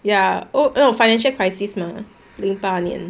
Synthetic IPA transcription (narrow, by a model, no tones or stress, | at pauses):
jaonofaɪnɛ̃nʃəlkʰɹaɪsisma | lĩŋpanə̰̃n